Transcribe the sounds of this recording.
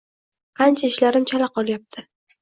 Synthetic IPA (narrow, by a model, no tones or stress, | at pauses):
qʰɑnt͡ʃʰaɪʃlaɾɪmt͡ʃʰalaqʰɒlˠjap̚t̪ʰɪ